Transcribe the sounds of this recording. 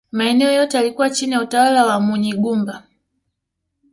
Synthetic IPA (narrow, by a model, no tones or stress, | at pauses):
maɛnɛɔjɔtɛalikuwat͡ʃinijautawalawamuɲiɡumba